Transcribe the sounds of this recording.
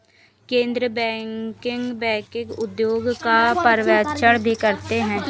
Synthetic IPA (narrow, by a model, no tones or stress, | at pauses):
kẽːnd̪ɾəbɛ̃ːkɪŋɡbɛ̃ːkɪɡʊd̪joːɡkapəɾʋaːtt͡ʃəɽbʱikəɾt̪eɦɛ̃ː